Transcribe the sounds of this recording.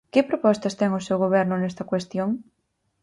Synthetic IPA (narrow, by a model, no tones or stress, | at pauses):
kɪpɾopɔst̪ɐst̪ɛŋʊsewɣoβɛɾnʊnɛst̪ɐkwest̪joŋ